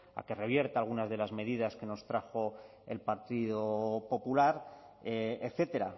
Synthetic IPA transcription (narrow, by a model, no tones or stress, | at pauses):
a̰ke̞re̞βje̞ɾt̪aalɣ̞unazðe̞lazme̞ð̞iðaske̞no̞st̪ɾaxo̞ | e̞̰lpaɾt̪iðopo̞pulaɾ | eekθe̞t̪e̞ɾa